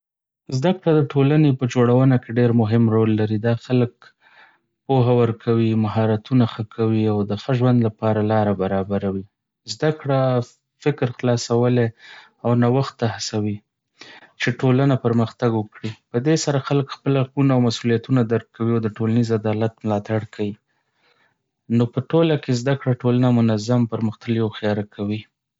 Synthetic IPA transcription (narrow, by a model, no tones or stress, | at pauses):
zd̪akɽad̪əʈʰolanepəd͡ʒoɽawənakeɖeɾmʊɦɪmɾolːaɾid̪ɑxalək̚ | poɦawəɾkʰawimaɦɑɾat̪unaxəkʰawiawd̪əxəʒwand̪lapɑɾalɑɾabaɾɑbaɾawi | zd̪akɽa | fɪkɾxlɑsawəle | awnawaxt̪ːahasawi | t͡ʃeʈolanapəɾməxt̪aɡwəkɽipəd̪esaɾaxaləkxpəlakunaawmasulijat̪unad̪aɾk̚kːawiawd̪əʈolanizad̪ɑlat̪mlɑt̪aɽkʰawi | nopəʈolakezd̪akɽaʈolanamʊnazampəɾməxt̪aljawxijɑɾakʰawi